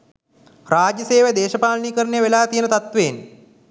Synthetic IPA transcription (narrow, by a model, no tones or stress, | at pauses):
raːd͡ʒjəseːʋəd̪eːʃəpaːlɳiːkəɾənejəʋelaːt̪ijənət̪at̪ʋeːn